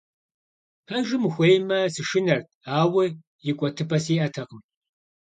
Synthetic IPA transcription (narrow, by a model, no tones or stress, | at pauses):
pʰɐʒɨmxʷeːjmɐsɨʃɪnɐrtʰ | aːwɨ | jɪkʷʼɔtʰɨpʰʼɐsiːʔɐtʰɐqəm